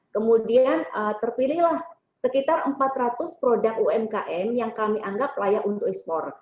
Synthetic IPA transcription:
kəmudianət̪ərpilɪhlah | səkit̪arəmpat̪ɾat̪ʊspɾodakuɛmkaʔɛmjaŋkamiʔaŋɡap̚lajaʔunt̪ʊkɛspɔr

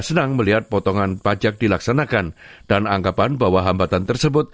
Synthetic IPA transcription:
sənaŋməliɦat̪̚pɔt̪ɔŋanpad͡ʒak̚dilaksanakand̥anaŋkapanbawaɦambat̪ant̪ərsəbʊt̪̚

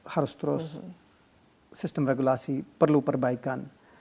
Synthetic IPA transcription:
hɐɾst̪ɾoːs | sɪsʈəmɾeɡulaːsiːpəɾluːpəɾbaːikɐn

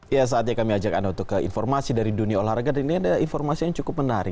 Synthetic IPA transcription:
jas̬aːt̪̚ɲakamiad͡ʒakandaunt̪ʊkːəḭnformasidaɾiduniaolaharɡadainiadainformasijaŋt͡ʃukʊp̚mənaɾɪ̰

